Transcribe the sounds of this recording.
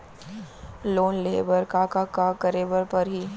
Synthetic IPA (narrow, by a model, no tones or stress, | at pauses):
loːnleːbəɾkaːkakakɐɾeːbəɾpɐɾɦiː